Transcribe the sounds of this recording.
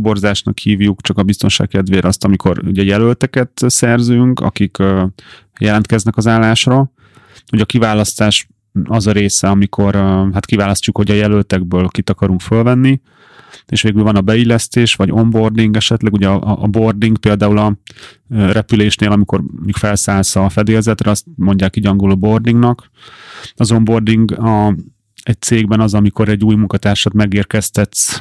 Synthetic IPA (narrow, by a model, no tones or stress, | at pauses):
bo̞rzaːʃnɒ̰khiːvjukt͡ʃɒkɒbist̪o̞nʃa̰ːkkɛd̪veːɾɒst̪ɒmikʰo̞̰rṵɟɛjɛlølt̪ɛkɛt̪sɛrzyŋkɒ̰kikø | jɛlɛnt̪̚kɛznɛkɒzaːlːaːʃrɒ | uɟɒkivaːlɒst̪aːʃ | ɒzɒɾeːsɛɒmikʰo̞ɾɦat̪kivaːlɒscukho̞ɟɒjɛlølt̪ɛɡ̚bøːlkit̪ɒkɒɾuŋkfølvɛnːi | eːʃʋeːɡylvɒnɒbɛilːɛst̪eːʃʋɒɟo̞mbo̞rd̪iŋɡɛʃɛt̪lɛɡuɟɛɒʔːbo̞rd̪iŋɡpeːld̪aːulɒ | rɛpyleːʃneːlɒmiko̞̰rmikfɛlsaːlsɒfɛd̪eːlzɛt̪rɛɒst̪mo̞ɲɟaːkiɟɒŋɡulobo̞rd̪iŋɡnɒk | ɒzo̞mbo̞rd̪iŋɡɒ | ɛc̚t̪seːɡbɛnɒzɒmiko̞ɾɛɟːuːjmuŋkɒt̪aːrʃɔt̪mɛɡeːrkɛst̪ɛt̪s